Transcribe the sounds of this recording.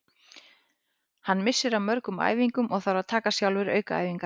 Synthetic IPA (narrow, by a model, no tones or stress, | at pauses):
hanːmɪsːɪɾawmœɾkʏma̰ːjviŋkʏmʔɔɣθaɾaðt̪ʰaːkasjawlvɪɾœ̰ːɥkaa̰ːjviŋka